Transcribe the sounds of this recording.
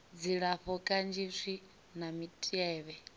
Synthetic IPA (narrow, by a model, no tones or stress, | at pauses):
d͡ziɺaɸɔkʼand͡ʒisʷi | namitʼiɛːβɛ